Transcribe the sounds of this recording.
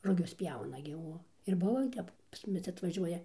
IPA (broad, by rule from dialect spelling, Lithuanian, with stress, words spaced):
rʊˈɡʲʊs ˈpʲjɛʊnɐ ɡʲɪ ˈuɔ ɪr ˈbuɔ ɪ ˈtʲɛp pɐs ˈmʊmʲɪs ɐtʋɐˈʒʲuɔjɛ